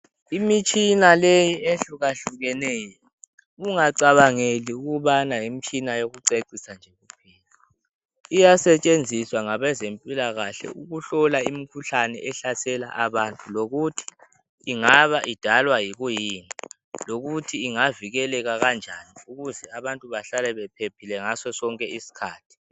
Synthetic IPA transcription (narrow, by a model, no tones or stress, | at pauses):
imit͡ʃʼinalejieɬuɣaɬuɣɛnɛːjɔ | uŋaǀaβaŋeliuɣuβanajim̩t͡ʃʼinajoɣuǀeǀisand͡ʒʱeɣupʰiːla | a | ijasɛt͡ʃʼend͡zʱiswaŋaβɛzempʼilaɣaɬɛ̰uɣuɬɔlaimikʰuɬanɛ̰ʔɛɬasɛla̰ʔaβantʼuloɣutʰi̥ː | ŋaβaʔid̥ʱalwajiɣujiːni | loɣutʰiːŋaviɣɛlɛɣaɣand͡ʒʱaniuɣuzɛaβantʼuβaɬalɛβɛpʰepʰilɛŋasɔsɔŋkʼɛisi̥kʰaːtʰi̥